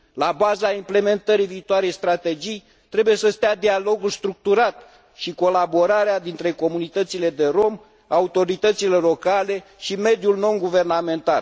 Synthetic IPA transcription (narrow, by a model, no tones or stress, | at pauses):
labazaimple̞me̞nt̪əɾiviːt̪oaɾejst̪ɾat̪e̞d͡ʒij | t̪ɾe̞buje̞səst̪ead̪ialo̞ɡulst̪ɾuk̚t̪uɾat̪ | ʃiko̞labo̞ɾaɾead̪int̪ɾe̞ko̞munit̪ət̪sile̞d̪e̞ɾo̞m | aut̪o̞ɾit̪ət̪sile̞lo̞kale̞ʃime̞d̪julno̞nɡuve̞rname̞nt̪al